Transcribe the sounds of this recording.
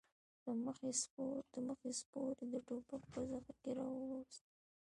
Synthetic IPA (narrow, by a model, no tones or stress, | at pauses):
d̪əməxespod̪əməxespoɾed̪əʈopak̚pəzaxakeɾɑwəwast̪